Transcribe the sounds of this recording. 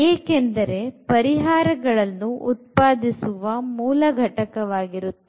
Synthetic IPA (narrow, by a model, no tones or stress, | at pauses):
eːkend̪ɐɾe̞pɐɾiɦaːɾɐɡɐɭɐnːuut̪̚paːd̪isuʋɐmuːlɐɡʱɐʈɐkɐʋaːɡiɾut̪ːe